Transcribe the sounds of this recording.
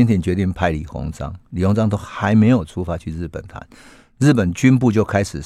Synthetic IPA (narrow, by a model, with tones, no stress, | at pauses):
nt̪ʰjɛ˥˧nt͡ɕɥɛ˧˥t̪i˥˩ŋpʰa˧˥ɪli˨˩xo̰˧˥ŋt͡sɑ̰˦ŋli˨˩ho˧˦ŋt͡sɑ˥ŋt̪o˥ʊxa˧˦ɪme˧˥ɪjo˨˩ʊt͡sʰu˥fa˧t͡ɕʰy˥˧ɻɻ̩˥˩pə̰˨˩nt̪ʰa̰˧˦n | ɻ̩˥˩pə˨˩nt͡ɕy˥npu˥˧t͡ɕjo˥˩ʊkʰa˥ɪʂɻ̩˨˩